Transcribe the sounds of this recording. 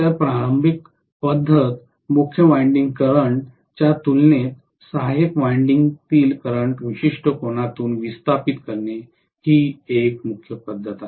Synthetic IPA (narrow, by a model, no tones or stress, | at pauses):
t̪japɾaɾəmbik | pəd̪ʱːət̪ | mukʰjəʋajɳɖiŋɡkəɾəɳʈ | t͡ɕjat̪ulnet̪ | saɦekʋajɳɖiŋɡt̪iːlkəɾəɳʈʋiɕiʂʈʰəkoɳ̃at̪uːnʋist̪ʰapit̪kəɾne | hiːekmukʰjəpəd̪ʱːət̪a